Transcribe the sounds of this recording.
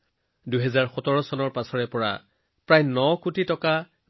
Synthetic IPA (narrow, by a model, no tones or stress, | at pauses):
duɦɛzaɹxɔtɔɹɔsɔnɔɹpasɔɹɛpɔɹa̰ | pɹajnɔkutitɔka